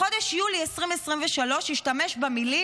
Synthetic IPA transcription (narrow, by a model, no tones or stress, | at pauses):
o̞deʃjuliesʁimesʁimveʃalo̞ʃjiʃtameʃbamili